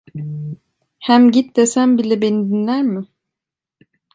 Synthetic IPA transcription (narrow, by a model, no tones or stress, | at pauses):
hæmɟit̪̚d̪esæmbilʲɛbenid̪inlʲæɾmɪ